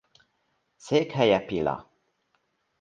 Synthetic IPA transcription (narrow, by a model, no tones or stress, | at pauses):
sekhajapila̰